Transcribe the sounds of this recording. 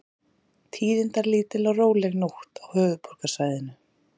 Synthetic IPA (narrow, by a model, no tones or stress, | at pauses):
t̪ʰiːɾɪnt̪aɾliːt̪ɪlɔroːwlɛɣnowht̪awhœːɣʏpʰɔɾ̥kasaːjðɪnʏ